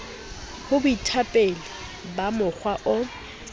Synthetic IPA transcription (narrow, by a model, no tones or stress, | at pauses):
hʊbʊitʰapʼɛla | bamʊk͡xʰwaʔʊ